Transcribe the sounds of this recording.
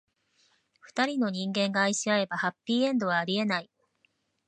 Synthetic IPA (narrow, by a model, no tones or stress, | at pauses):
ɸɯ̟̥t̪aɾʲino̞ɲ̟ĩŋɡẽ̞ŋɡaːiɕiae̞bahapʲːiːẽ̞nd̪o̞βaːɾʲie̞nai